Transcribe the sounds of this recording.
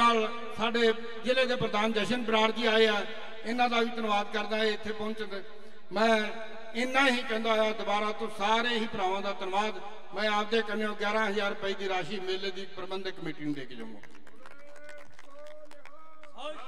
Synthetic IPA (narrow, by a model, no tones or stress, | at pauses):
aːl | saːɖeː | d͡ʒɪleːd̪eːpɾəd̪aːnd͡ʒɛːʃənbɾaːɾd̪iːaːeːɛː | ɪnãːd̪aːʋiːt̪ənʋaːd̪kəɾd̪aːɦeːɪt̪ʰːeːpɔ̃nt͡ʃn | mɛ̃ː | ɪnːãːɦiːkɛ̃ːnd̪aːɦojaːd̪ʊbaːɾaːt̪õːsaːɾeːɦiːpəɾãːãːd̪aːt̪ənʋaːd̪ | mɛ̃ːaːp̚d̪eːkənːõːɡɛːɾãːɦəzaːɾpəiːd̪iːɾaːʃiːmeːleːd̪iːpəɾbənd̪kəmeːʈiːnd̪eːkd͡ʒã̰ːã̰ː